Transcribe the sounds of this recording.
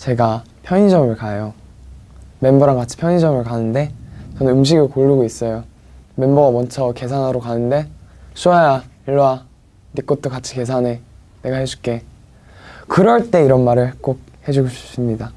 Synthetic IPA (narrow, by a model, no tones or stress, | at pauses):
t͡ɕe̞ɡa | pʰjʌɲid͡ʑʌmɯɭkajo | me̞mboɾankat͡ɕʰi̥pʰjʌɲid͡ʑʌmɯɭkanɯnde̞t͡ɕʌnɯnɯmɕ̬ʰiɡɯokoʎːuɡois͈ʌjo | me̞mbʌɡamwʌnt͡ɕʰʌke̞sʰanɯɾokanɯnde̞sʰuajaiɭːwa | nik͈ot̚t͈ʰokat͡ɕʰi̥ke̞s̬ʰane̞ | ne̞ɡahes͈ʰu̥k͈e̞ | kɯɾʌɭt͈e̞iɾʌnmaɾɯɭk͈ok̚he̞d͡ʑuɡot͡ɕu̥s͈ɯmɲida